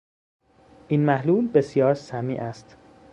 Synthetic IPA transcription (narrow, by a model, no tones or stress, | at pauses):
ʔiːnmæhluːlbe̞sjɒːɾsæmiːʔæst̪